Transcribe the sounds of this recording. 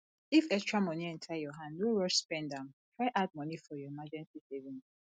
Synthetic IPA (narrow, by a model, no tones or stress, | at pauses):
ifɛstɹamɔ̃niɛ̃ntʰajɔɦãndnoɹɔʃspɛ̃ndãmtʰɹaɪʔad̚mɔ̃nifɔjɔemad͡ʒɛ̃nsisevĩn